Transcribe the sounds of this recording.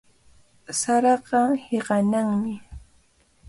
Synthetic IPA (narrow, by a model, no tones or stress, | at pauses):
saɾɑɢɑheɢɑnaŋmɪ